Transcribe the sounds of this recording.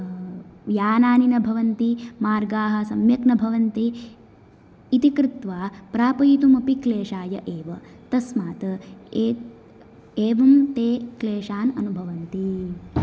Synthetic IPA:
ʋjaːnaːninɐbʱɐʋɐnt̪imaːɾɡaːɦɐ̆sɐmjɐknɐbʱɐʋɐnt̪i | t̪ikɾɪt̪ʋaːpɾaːpɐjit̪umɐpikleːʂaːjɐʔeːʋɐ | t̪ɐsmaːt̪ɐeː | eːʋɐmt̪eːkleːʂaːnɐ̰nubʱɐʋɐnt̪i

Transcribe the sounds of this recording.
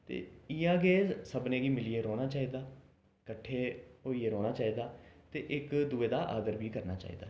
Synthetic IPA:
t̪ḛːijãːɡeːsəbnẽːɡiːmɪlieːɾoːnaːt͡ʃaːiːd̪aː | kəʈʰːeːɦoːiːeːɾoːnaːt͡ʃaːiːd̪aːt̪eːʔɪkd̪ʊeːd̪aːʔa̰ːd̪əɾbʱiːkəɾnaːt͡ʃa̰ːḭːd̪aː

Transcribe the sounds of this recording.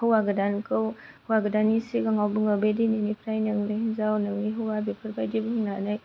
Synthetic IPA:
həwaɡədankəwhuwaɡədanisiɡaŋawbəŋabedininipʰɾajnɯŋnenzawnɯŋniɦuwabepʰəɾbajdibəɦŋnanaj

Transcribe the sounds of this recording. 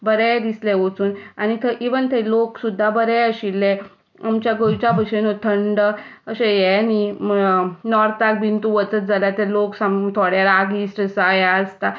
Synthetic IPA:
bəɾɛd̪isleʋot͡suːnanit̪ʰəʔiʋənt̪ʰeloksud̪ʱːabəɾɛjəɕilːe | amt͡ɕjaɡojt͡ɕabəɕenot̪ʰəɳɖəəɕejɛni | nɔɾt̪ak̚bʱint̪uʋət͡sət̪̚d͡zalat̪eloksamt̪ʰoɽjaɾaɡisʈəsajaəst̪a

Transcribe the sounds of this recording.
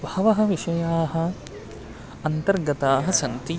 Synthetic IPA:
bʱɐʋɐɦɐ̆ʋiʃɐjaːɦɐ̆ | ɐnt̪ɐɾɡɐt̪aːɦɐ̆sɐnt̪i

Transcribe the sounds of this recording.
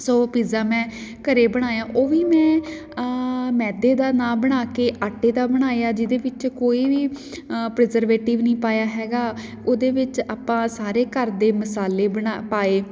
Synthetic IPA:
soːpiːzaːmɛ̃ːkəɾeːbəɽ̃aːjaːʔoːʋiːmɛ̃ː | mɛːd̪eːd̪aːnaːbəɽ̃aːkeːʔaːʈːeːd̪aːbəɽ̃aːjaːd͡ʒɪd̪eːʋɪt͡ʃkoːiːʋiː | pɾɛzəɾʋeːʈɪːʋnĩːpaːjaːɦɛːɡaː | oːd̪eːʋɪt͡ʃaːpãːsaːɾeːkəɾd̪eːməsaːleːbəɽapaːeː

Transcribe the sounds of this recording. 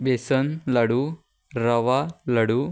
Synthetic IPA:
besɐnlɐɽu | ɾɐʋalɐɽu

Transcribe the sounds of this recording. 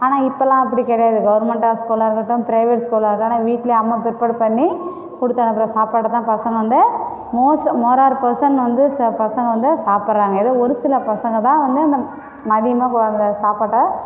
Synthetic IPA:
aːnaːɪpːɐlãːɐpːɐɽikɛɽɐjaːðɯɡɐʋɐɾmɛɳʈaːskuːlaɾɯkːɐʈːɯ̃mpɪɾɐɪʋɛʈskuːlaːɾɯkːaːnãːʋiːʈːɪleɐmːaːpɪɾpɐɽpɐɳːi | kʊɽɯt̪ːaːnɐpːɾɐ̃ːsaːpaːʈːɐt̪ːãːpɐsɐŋɡɐʋɐnd̪ɯ | moːsmoːɾaːɾpɐsɐnʋɐnd̪ɯpɐsɐŋɡɐʋɐnd̪ɯsaːpɐɾɾãːŋɡɐɪðoɔɾɯsɪlɐpɐsɐŋɡɐt̪ãːʋɐnd̪ɯɐnd̪ɐ | mɐðɪjɐmaːknd̪ɐsaːpaːʈːɐ

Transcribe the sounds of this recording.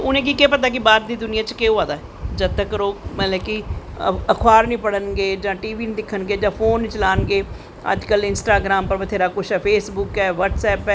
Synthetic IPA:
ʊnẽːk̬ikeːpət̪̬aːk̬ɪbaːɾd̪iːd̪ʊnɪjãːt͡ʃkeːoːaːd̪aːɛ | d͡ʒət̪ːəkəɾoːmɛ̃ːlɛːki | əkʰwaːɾnĩːpəɽənɡeːd͡ʒãːʈiːʋiːnd̪ɪkʰːənɡeːd͡ʒãːpʰoːnːt͡ʃəlaːnɡeː | ə̰d͡ʒkəlɪnsʈaːɡɾaːmpəɾʋət̪ʰeːɾaːkʊʃɛːpʰeːsbʊkɛːʋəːʈsɛːpɛː

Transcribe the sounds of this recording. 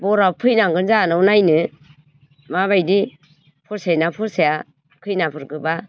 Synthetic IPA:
bɔɾapʰɯjnaŋɡɯnzanɯwnajnɯ | maβajdi | pʰɔɾsajnapʰɯɾsaja | kʰɯjnapʰɯɾɡɯba

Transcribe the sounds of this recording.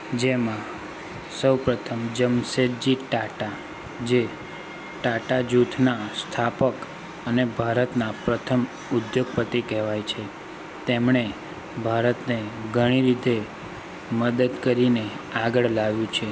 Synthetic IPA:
d͡ʒemã | səwpɾət̪ʰəmd͡ʒəmseɾd͡ʒiʈaʈa | d͡ʒe | ʈaʈad͡ʒut̪ʰnast̪ʰapək | ənebʱaɾət̪napɾət̪ʰəm | ʊd̪joɡ̚pət̪ikɛɦʋajt͡ʃʰe | t̪emɳ̃e | bʱaɾət̪neɡʱəɽ̃iɾid̪ʱe | məd̪əd̪kəɾine | aɡəɭlaʋjũt͡ʃʰe

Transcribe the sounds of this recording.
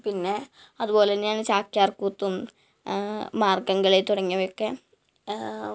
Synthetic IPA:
pinːe | ɐðupo̞ːleɲaːnt͡ɕaːkjaːrkuːt̪ːum | maːrɡɐŋɡɐɭet̪uɽɐŋːɐʋekːe

